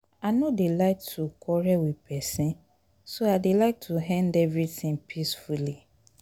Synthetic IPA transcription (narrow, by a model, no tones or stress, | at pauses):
anodelaɪktʰukʰɔɹɛwipʰɛsĩn | soadelaɪk̚tʰuɦɛ̃ndɛvɹitĩŋpʰisfuli